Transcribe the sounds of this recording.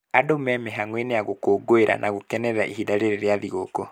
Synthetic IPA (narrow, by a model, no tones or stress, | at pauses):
adomɛmɛɦaŋwenejaɣokoɡoeɾʔa̰nʔaɣokɛnɛɾaʔihidaɾeɾeɾeaðiɣokɔ